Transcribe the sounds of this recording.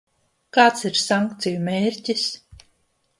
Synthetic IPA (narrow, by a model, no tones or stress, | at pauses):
kaːt̪siɾsaŋkt̪sijumeːɾʲcʲis